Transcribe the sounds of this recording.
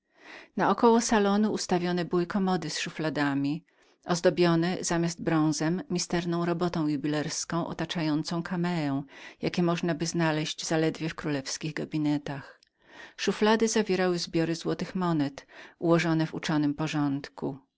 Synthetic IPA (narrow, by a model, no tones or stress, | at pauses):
naɔkɔwɔsalɔnuːst̪avʲjɔnɛbɘwɘkɔmɔd̪ɘsʂuflad̪amʲi | ʔɔzd̪ɔbʲjɔnɛz̥amʲjazd̪̚bɾɔ̃w̃zɛmːʲist̪ɛɾnɔ̃w̃ɾɔbɔt̪ɔ̃w̃jubʲilɛɾskɔ̃w̃ʔɔ̰t̪at͡ʂajɔnt̪sɔ̃w̃kʰamɛɾɛw̃jakʲɛmɔʐnabɘznalɛʑd͡ʑzalɛd̪vʲjɛfkɾulɛfskʲiɣɡabʲinɛt̪ax | ʂuflad̪ɘzavʲjɛɾawɘzbʲjɔɾɘzwɔt̪ɘxmɔnɛt̪uwɔʐɔnɛvṵt͡ʂɔnɘmpɔʐɔnt̪kṵ